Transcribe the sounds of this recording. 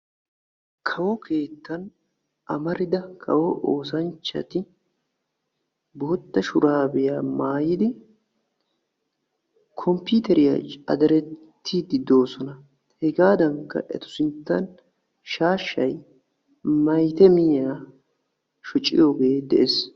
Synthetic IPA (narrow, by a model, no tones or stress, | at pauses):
kʰɐwɔkʰe̞ːt̪ːɐn | ʔɐmɐɾɪd̪ɐkʰɐ̰wɔʔoːsɐnt͡ʃːɐ̰t̪ɪ | boːt̪ːɐʃʊɾaːbɛjaːmaːjɪd̪ɪ | kʰɔmpiːt̪ɛɾɪjɐ̰ɐ̰d̪ɐɾɛt̪ːiːd̪ɪd̪o̞ːsɔnɐ | hɛɡaːd̪ɐŋkːɐ̰ʔɛ̰t̪ʊ̥sɪnt̪ːɐn | ʃaːʃːɐj | mɐjt̪ɛmɪjaː | ʃɔt͡ʃʼːɪ̰joːɡe̞ːd̪ɛʔes